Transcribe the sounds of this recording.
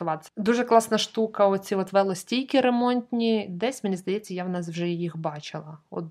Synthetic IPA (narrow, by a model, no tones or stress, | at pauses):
ʊʋɑt̪ʲd̪uʒɛklˠɑsnɐʃt̪ukɐɔt͡sʲiɔt̪ʋɛlˠɔsʲtʲijkʲɪɾemɔnʲt̪ʲnʲid̪ɛsʲmʲɪnʲizd̪ɐjɛt͡sʲːɐjawnɑs̬wʒɛjixbɑt͡ʃɪlˠɐɔ̰t̪̚